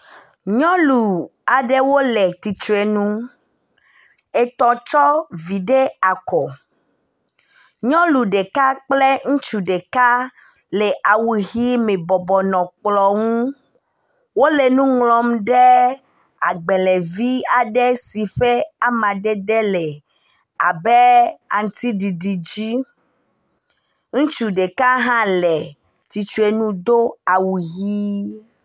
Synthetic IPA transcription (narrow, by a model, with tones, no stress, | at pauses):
ɲɔ̃˦lu˨a˨ɖe˦wo˦le˨t̪i˨t̪ɾe˨nũ˦ | e˨t̪ɔ˨t͡ʃɔ˦vi˨ɖe˦a˨kɔ˨ | ɲɔ̃˦lu˨ɖe˨ka˦k͡ple˦ŋũ˦t͡ʃu˨ɖe˨ka˦ | le˨ʔa˨wu˨ɣi˦mẽ˨bɔ˨bɔ˨nɔ̃˨k͡plɔ˨ŋũ˦ | wo˦le˨nũ˦ŋlɔ̃˨mɖɛ˦ | a˨ɡ͡bɛ˨lɛ˨vi˦a˨ɖɛ˦si˨fɛ˦a˦mã˨d̪ɛ˦d̪ɛ˦lɛ˨ | a˨bɛ˦a˨ŋ˨t̪i˦ɖi˨ɖi˨d͡ʑi˦ | ŋũ˦t͡ʃu˨ɖe˨ka˦ɦã˦lɛ˨ | t͡ʃi˨t͡ʃu˦e˨nũ˦d̪o˦a˨wu˨ɣi˦